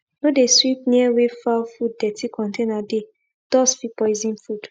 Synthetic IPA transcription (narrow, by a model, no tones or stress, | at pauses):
nodeswip̚niɛwefawfud̚ːɛtʰikʰɔ̃ntenade | d̥ɔsfipɔjzĩnfud̥